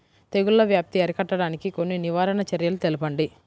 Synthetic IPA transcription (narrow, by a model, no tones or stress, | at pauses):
t̪eɡullːɐʋjaːp̚t̪iɐɾikɐʈːɐɽaːnikiko̞nːiniʋaːɾɐnɐt͡ʃɐɾjɐlut̪e̞lipɐɳɖi